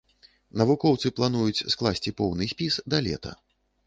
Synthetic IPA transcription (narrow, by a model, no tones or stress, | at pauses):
nɐvukɔwt̪sɨplˠanujut͡sʲsklˠasʲt͡sʲipɔwnɨsʲpʲisd̪ɐlʲɛ̰t̪ɐ̰